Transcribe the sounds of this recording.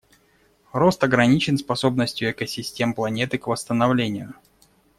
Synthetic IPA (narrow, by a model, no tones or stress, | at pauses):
ɾo̞st̪ɐɡɾɐnʲit͡ɕɪnspɐso̞b̚nəsʲtʲjʊɛkəsʲɪsʲtʲe̞mplˠɐnʲe̞t̪ɨkvəst̪ənɐvlʲenʲɪjʊ